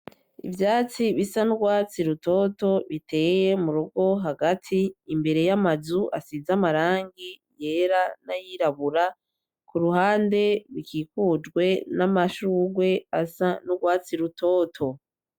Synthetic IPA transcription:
ḭvjaːt͡siβisanuɡwaːt͡siɾuto̞ːto̞βitʰe̞je̞muɾuɡo̞ɦaɡatʰiːmbe̞ɾe̞jamazuʔasizamaɾaːŋɡije̞ɾanajiɾaβuɾa | kuɾuɦaːnde̞βikiːkuːd͡ʒɡwe̞namaʃuːɡwe̞asanuɡwaːt͡siɾutʰo̞ːtʰo̞

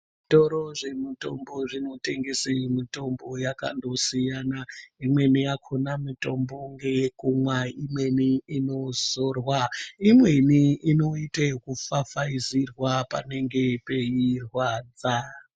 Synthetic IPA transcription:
toɾo̞ʐe̞mito̞mbo̞ʐino̞te̞ŋɡesemito̞mbo̞jaka̰ndo̞sijanaimwe̞nijakʰonamito̞mbo̞ŋɡe̞kumwaimwe̞niino̞zorwaimwe̞niino̞itekufafaizirwapa̰ne̞ŋɡe̞pe̞irwaːd͡za

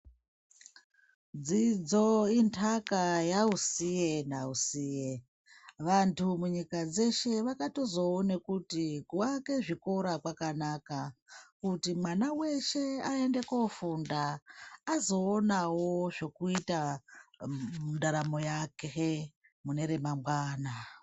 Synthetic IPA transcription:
d͡zid͡zointʰakajausijenausiːje | ʋantʰumuɲikad͡ze̞ʃe̞ʋakato̞zo̞one̞kutikuake̞ʐiko̞ɾakwakanakakutimwanawe̞ʃe̞ae̞nde̞kofundaː | zo̞ːnawo̞ʐo̞kuita | undaɾamo̞jakee | mune̞ɾe̞mamɡwaːna

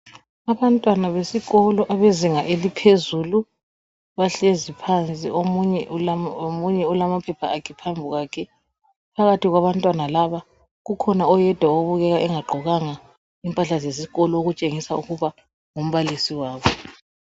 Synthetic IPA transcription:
aβantʼwanaβesiɣɔlɔʔaβeziŋaʔelipʰezuːlu | βaɬezipʰant͡sʼḭomuɲɛomuɲɛɔlamapʰɛpʰaakʰipʰambʱuɣaːkʰɛ | pʰaɣatʰiɣwaβantʼwanalaβa | ɣukʰɔnaɔjɛd̥ʱwaoβuɣɛɣaʔɛŋaɡ͡ǃʱɔɣaŋa | impʼaɬazesiɣɔlɔoɣut͡ʃʼeŋisauɣuβa | ŋom̩βalisiwaːβɔ

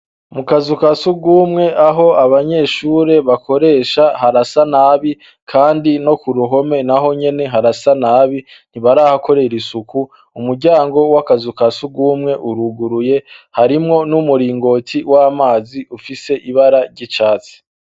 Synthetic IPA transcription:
mukazukasuɡuːmŋe̞ʔaɦo̞aβaɲe̞ʃuːɾe̞βakʰo̞ɾe̞ːʃahaɾasanaːβi | kʰaːndino̞kuɾuɦo̞me̞naɦo̞ɲe̞ne̞ɦaɾasanaːβin̥iβaɾahako̞ɾe̞ɾisuku | umuɾɟaːŋɡo̞wakazukasuɡuːmŋe̞ʔuɾuɡuɾuje̞haɾimŋo̞numuɾiːŋɡo̞ːtʰiwaːmaːziʔufise̞ʔiβaɾaɾɟit͡ʃaːt͡si̥

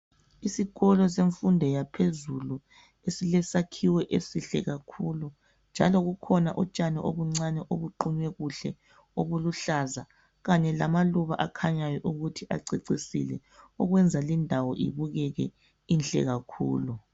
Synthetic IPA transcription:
isiɣɔlɔseɱfundʱɛjapʰezulu | esilɛsakʰiwɛʔesiɬɛ̰ɣakʰulu | nd͡ʒʱalɔɣukʰɔnaʔɔt͡ʃʼanɛʔo̰βuŋ͡ǀanɛʔoβuǃuɲwɛɣuɬɛ | oβuluɬaza | ɣaɲɛlamaluβaʔakʰaɲajɔʔuɣutʰiʔa̰ǀiǀisḭlɛ | ɔɣwɛnd͡zʱalindʱawɔʔḭβuɣɛɣɛ | inɬʼɛ̰ɣakʰṵːlu

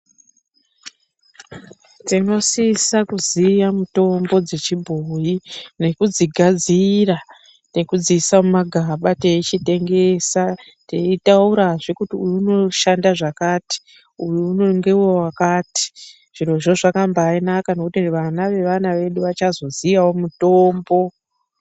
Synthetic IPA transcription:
tino̞sisakuzijamuto̞mbo̞d͡ze̞t͡ʃibʱojine̞kud͡ziɡʱad͡zira | nekud͡zisamumaɡʱaɓate̞it͡ʃite̞ŋɡe̞ːsa | teitauɾaʐekutiujuuno̞ʃandaʐakaːti̥ | ujuunoŋɡe̞uwewakaːti̥ | ʐ̥inwoʐo̞ʐakambaːinakano̞kutiʋanaʋe̞ʋanaʋe̞ɗuʋat͡ʃazo̞zijawomuto̞ːmbo̞

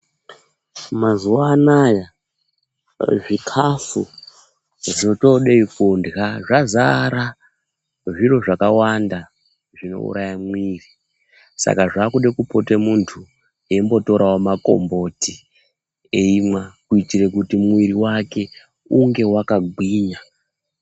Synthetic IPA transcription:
mazuwaːnaja | ʐikʰafṵ | ʐoto̞ɗeifundɣaʐazaɾa | ʐiro̞ʐakawanda | ʐino̞̰ṵɾʔajamwiːri | sa̰kaʐakuɗekupo̞temuntʰu | e̞imbo̞to̞ɾawamako̞̰mbo̞ti | eimwakuitirekutimwiriwake̞ | uŋɡe̞wakaɡʱwiːɲa

